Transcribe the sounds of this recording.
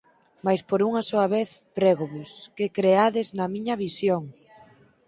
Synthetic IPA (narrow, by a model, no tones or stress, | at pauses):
majspoɾuŋasoɐβeθpɾeɣoβʊskekɾeaðɪznɐmĩɲɐβisjoŋ